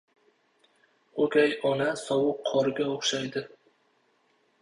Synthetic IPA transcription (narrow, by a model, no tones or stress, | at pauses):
okʲajɒnasɒwʊqʰːɒɾɪɡʲaoχʃajd̪ɪ